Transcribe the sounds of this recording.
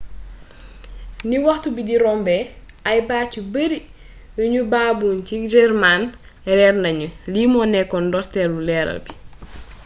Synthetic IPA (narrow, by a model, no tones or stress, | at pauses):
niwɐxtubidiɾɔmbɛ | ʔɐjbaːcubəɾi | juɲubaːbuncid͡ʒɛrman | rɛrnɐɲuliːmɔːnɛkːɔndɔrtɛlulɛːɾɐ̰lbi